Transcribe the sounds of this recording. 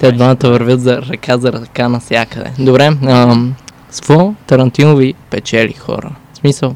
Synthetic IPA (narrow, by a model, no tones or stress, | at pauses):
t̪ɛd̪vanət̪əvɐɾvʲjɤt̪zɐɾɐkʰazɐɾɐkanɐsʲjakəd̪ɛ̰d̪obɾɛə | svɔt̪ɐɾɐnt̪inovipɛt͡ʃɛlḭxɔ̰ɾə̰smisəlˠ